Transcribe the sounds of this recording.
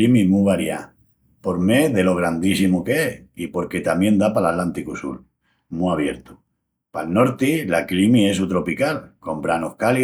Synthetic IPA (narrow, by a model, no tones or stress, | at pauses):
imimuβaɾja̰ | po̞ɾme̞ðe̞lo̞ɣ̞ɾand̪isimokeeipo̞ɾke̞t̪amjẽ̞nd̪apalat̪lant̪ikusṵl | muaβ̞je̞ɾt̪u̥ | palno̞ɾt̪ilaklimie̞s̬ut̪ɾo̞pikalko̞mbɾanohkali